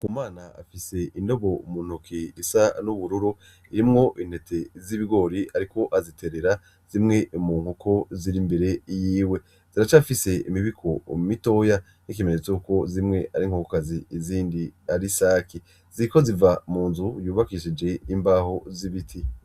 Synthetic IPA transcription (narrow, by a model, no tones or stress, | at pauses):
kumaːnaa̰fise̞indo̞βo̞mun̥ukʰiisanuβuɾuɾu | iɾimŋo̞ʔin̥he̞tʰe̞ziβiɡo̞ːɾiaɾiko̞ʔazitʰe̞ɾe̞ɾa | z̥imŋe̞muːŋ̥ukʰo̞ziɾimbe̞ɾe̞jiːwe̞ | z̥iɾat͡ʃafise̞imiβikʰo̞mito̞ja | nik̬ime̞ɲet͡souko̞zimŋe̞ʔaɾiŋ̥hukokaziːziːndiaɾisaːki | z̥iɾiko̞zivamuːnzujuːβakiʃid͡ʒe̞imbaːho̞ziβitʰi